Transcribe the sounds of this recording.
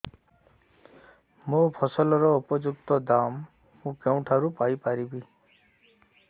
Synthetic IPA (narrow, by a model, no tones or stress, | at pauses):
mũpʰɔsɔlɔɾɔupɔd͡ʒuk̚t̪ɔd̪amː | ũkew̃ʈʰaɾupajpaɾibi